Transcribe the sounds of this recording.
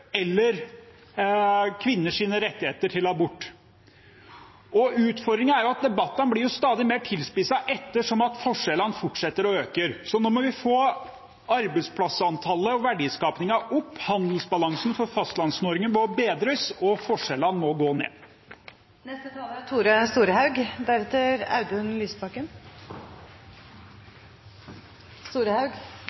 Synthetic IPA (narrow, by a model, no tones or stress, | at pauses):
ɛlːəɾ | kʰʋɪnːəʂiːnəɾɛt̪ːɪheːt̪əʈʰɪlɑːbʊʈː | ʔɔʉːt̪fɔɾd̪ɾɪŋənæɾjʊɑt̪̚d̪ɛbɑt̪ːɑnblɪɾjʊst̪ɑːd̪ɪmeːʈʰɪlspɪsɑʔɛt̪ːəʂɔmɑt̪fɔʂɛlɑnfʊʈʂɛt̪ːəɾɔøːkəɾsɔnɔmɔʋɪfoː | ɑɾbəɪspʰlɑsɑnt̪ʰɑlːəɔʋæɖiːskɑːpnɪŋɑʔʊpːhɑnd̪əl̩sbɑlɑŋsn̩fɔɾfɑst̪lɑnsnoːɾɪŋənʋɔbeːd̪ɾəsɔfɔʂɛlɑnmɔɡoːnḛː | nɛst̪ət̪ʰɑːləɾt̪ʰuːɾəst̪uːɾəhɑʉɡd̪æɾɛt̪ːəɾɑ̰ʉd̪ʉnlyːspʰɑkːən | st̪uːɾəhɑʉɡ